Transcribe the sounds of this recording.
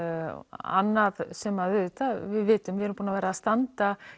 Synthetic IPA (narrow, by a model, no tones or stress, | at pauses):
a̰nːaðsɛmaðvʏðt̪ʰavɪðvɪːt̪ʏmvɪɛɾʏmpuːnavɛːɾaːst̪ant̪a